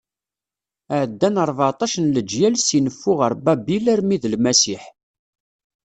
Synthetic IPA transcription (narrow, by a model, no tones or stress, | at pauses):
ʕəd̪ːænəɾˤvat̪ˤɑʃənləd͡ʒjælsinəfːʊʁəɾˤbæbilæɾmiðlmæsiħ